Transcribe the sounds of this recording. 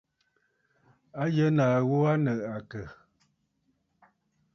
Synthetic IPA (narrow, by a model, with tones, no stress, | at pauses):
a˦jə˦naː˨ɣo˦a˦nə˨ʔa˨kə˨